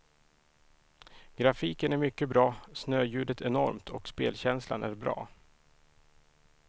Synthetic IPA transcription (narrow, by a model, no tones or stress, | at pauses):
ɡ̥ɾafiːkənæɾmʏkːəbɾɑːsnøːjʉ̟ːd̪ət̪ʰɛnɔɾmt̪ʰɔkspeːlɕɛnsla̰nʔæɾbɾɑ̰ː